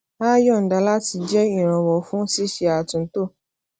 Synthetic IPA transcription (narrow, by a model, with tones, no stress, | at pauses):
aː˦jɔ˦˨n̩˨da˨˧la˦ti˧d͡ʒɛ˦i˦˨ɾ̃ã˨˧wɔ˨fũ˦si˦ʃe˧a˨tũ˨n̩˦to˦˨